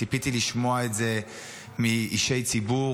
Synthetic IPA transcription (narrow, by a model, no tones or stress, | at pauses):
ipit̪iliʃmo̞aetze̞ | miiʃe̞jt͡sibu